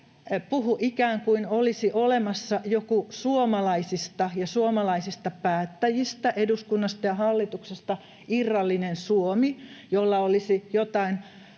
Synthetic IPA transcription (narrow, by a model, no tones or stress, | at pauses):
puhuʔikæːŋkuinolisiʔolemɑsːɑjokusuomɑlɑisist̪ɑjɑsuomɑlɑisist̪ɑpæːt̪ːæjist̪æʔeduskunːɑst̪ɑjɑhɑlːit̪uksest̪ɑ | irːɑlːinensuomijolːɑolisijot̪ɑin